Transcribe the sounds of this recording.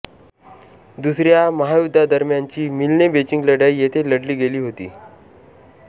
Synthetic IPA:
d̪usɾjaməɦajud̪ʱːad̪əɾmjaɲt͡ɕiːmilnebet͡ɕiŋɡləɽəjjet̪ʰeləɽliːɡeliːɦot̪ḭː

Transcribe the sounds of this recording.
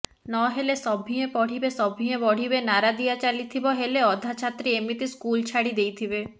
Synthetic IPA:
nɔɦelesɔbʱĩẽpɔɽ̤ibesɔbʱĩẽbɔɽ̤ibenaɾad̪ijat͡ʃalit̪ʰibɔɦeleɔd̪ʱat͡ʃʰat̪ɾiemit̪iskult͡ʃʰaɽid̪ejt̪ʰibe

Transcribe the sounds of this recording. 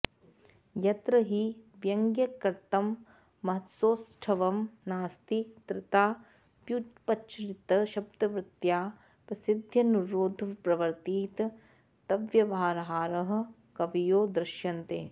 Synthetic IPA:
jɐt̪ɾɐɦiʋjɐŋɡjɐkɐɾt̪ɐmː | ɐɦɐt̪soːsʈʰɐʋɐmnaːst̪ikt̪ɾɪt̪aː | pjut̪pɐʃɾit̪ɐʃɐb̚d̪ɐʋɾɪt̪jaː | pɾɐsid̪ʱjɐnuɾoːd̪ʱpɾɐʋɐɾt̪iːt̪ | t̪ɐʋjɐʋaːɾɐɦaːɾɐɦɐ̆ | kɐʋijoːd̪ɾɪʃjɐnt̪ḛː

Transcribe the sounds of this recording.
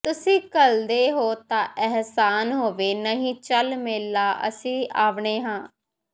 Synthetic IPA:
t̪ʊsĩːkəld̪eːɦoːt̪ãːʔɛɦsaːnɦoːʋeːnəɦĩːt͡ʃəlmɪlːaːʔə̰sĩːʔaːʋɳeːɦãː

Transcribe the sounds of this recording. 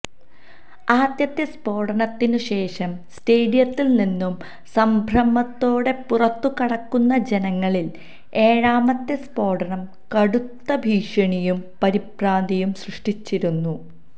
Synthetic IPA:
aːd̪jɐt̪ːjɐspo̞ːɽɐnɐt̪ːinuɕe̞ːʂɐmsteːɽijɐt̪ːilninːum | sɐmbʱɾɐmːɐt̪ːo̞ːɽe̞purɐt̪ːukɐɽɐkːunːɐd͡ʑe̞nɐŋːɐɭil | e̞ːɻaːmɐt̪ːespo̞ːɽɐnɐm | kɐɽut̪ːɐbʱiːʂɐɳijumpɐɾipɾaːnd̪ijumsrɨʂʈit͡ɕːiɾunːu

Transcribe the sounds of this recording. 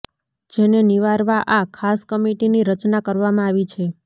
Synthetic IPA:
d͡ʒeneniʋaɾʋaʔakʰaskəmeʈiniɾət͡ʃnakəɾʋamãaʋit͡ʃʰe

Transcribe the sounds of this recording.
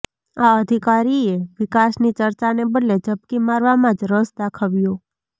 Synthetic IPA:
aəd̪ʱikaɾieʋɪkasnit͡ʃəɾt͡ʃanebəd̪led͡ʒəp̚kimaɾʋamãd͡ʒɾəsd̪akʰaʋjo

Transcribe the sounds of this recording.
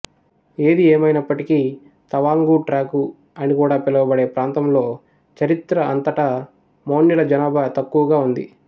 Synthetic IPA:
e̞ːd̪ieːmɐjnɐpːɐʈiki | t̪ɐʋaːŋɡuʈɾaːku | ɐnikuːɽaːpilɐʋɐbɐɽe̞ːpɾaːnt̪ɐmlo̞ː | t͡ʃɐɾit̪ɾɐɐnt̪ɐʈɐ | moːɳːilɐd͡ʒɐnaːbʱat̪ɐkːuʋɐɡaːund̪i

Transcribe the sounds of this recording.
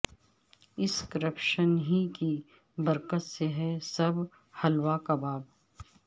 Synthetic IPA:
ɪskəɾəpʃənɦiki | bɐɾkət̪seɦɛsɐb | hɐlwakabaːb

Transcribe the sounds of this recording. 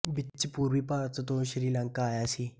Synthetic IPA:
bit͡ɕipuːɾʋiːpaɾt͡s̪ət̪oɕɾiːlãŋkaːjasi

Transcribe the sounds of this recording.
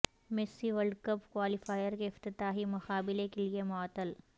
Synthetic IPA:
mɪsːiʋəɾɖkəpkwaːlɪfaːjəɾkeɪft̪ɪt̪aːɦimʊxaːbɪlekeliemɔːt̪ːəl

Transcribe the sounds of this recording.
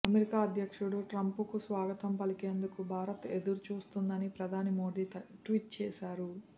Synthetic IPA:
ɐmeɾikaːɐd̪ʱjɐkʂuɽuʈɾɐmpukusʋaːɡɐt̪ɐmpɐlikeːnd̪ukubʱaːɾɐt̪e̞d̪uɾut͡ʃuːst̪und̪ɐnipɾɐd̪ʱaːnimoːɖ̪iːʈʋiʈ̚t͡ʃɛːsaːɾu

